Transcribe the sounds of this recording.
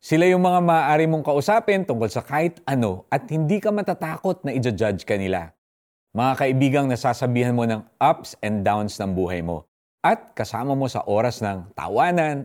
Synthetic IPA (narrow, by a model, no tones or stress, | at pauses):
sɪlajʊŋmɐŋamɐaːʔaːɾɪmo̞ŋkɐʔʊsaːpɛnt̪ʊŋkolsɐkaːhɪt̪ʔɐno̞ʔɐt̪̚hɪnd̪ikɐmɐt̪at̪aːko̞t̪̚nɐʔɪd͡ʒɐd͡ʒad͡ʒkɐnɪla̰ | mɐŋakɐʔɪbiːɡɐŋnɐsaːsɐbiːhɐnmo̞nɐŋʔapsɛnd̪d̪awnsnɐŋbuːɦɐjmo̞̰ | ʔɐt̪̚kɐsaːmɐmo̞sɐ̰ʔo̞ːɾɐsnɐŋt̪ɐ̰waːnɐn